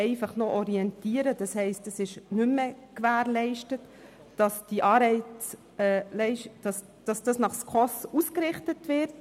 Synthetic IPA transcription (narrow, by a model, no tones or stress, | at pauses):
ɛɪfɑχnoʔɔɾiɛntiːəɾəd̥ɑshɛɪstəsɪʃnʉmːəkʋæːɾlɛɪʃtət | d̥ɑsd̥iʔɑːɾɛɪ | ɛːlɛɪʃd̥ɑs | d̥ɑsd̥ɑsnɑχskʰɔsuskɾɪχtətʋɪɾt̚